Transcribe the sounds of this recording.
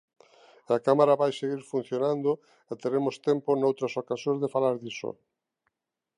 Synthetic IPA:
akamaɾaβajseɣiɾfun̟θjonãnd̪o | et̪eɾemost̪ɛmponowt̪ɾasokasjõzðefalaɾðiso̰

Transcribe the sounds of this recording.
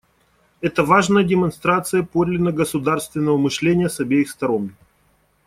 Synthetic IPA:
ɛt̪əvaʐnəjədʲɪmɐnst̪ɾat̪sɨjəpo̞d̪ʲlʲɪnəɡəsʊd̪arst̪vʲɪnːəvəmɨʂlʲenʲɪjəsɐbʲejɪxst̪ɐɾo̞n

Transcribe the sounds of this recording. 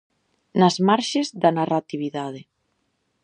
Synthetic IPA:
nazmaɾʃezðanarat̪iβ̞iðað̞e

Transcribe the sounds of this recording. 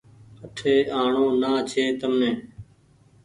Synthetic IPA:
əʈʰeːʔaːɳõːnaːt͡ʃʰeːt̪əmnẽː

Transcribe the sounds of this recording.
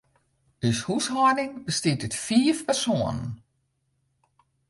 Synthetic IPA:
yshushɔdɪŋbəstɪdətfiəfpɛrsoːənə̰n

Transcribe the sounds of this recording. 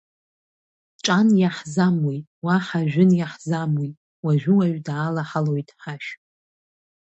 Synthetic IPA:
ʈ͡ʂʼanjaħzamojtʼwaħaʒᶣʊnjaħzamojtʼ | waʒᶣʊwaʒᶣdaːlaħalo̞jtʼħaʃ

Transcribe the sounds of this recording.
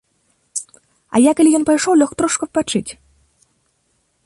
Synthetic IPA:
ɐ̰jakɐlʲijɔnpajʂɔwlʲɔxt̪ɾɔʂkɐpat͡ʂɨt͡sʲ

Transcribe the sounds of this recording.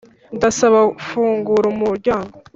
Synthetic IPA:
ndasaβafuːŋɡuɾumuɾɟaːŋɡo

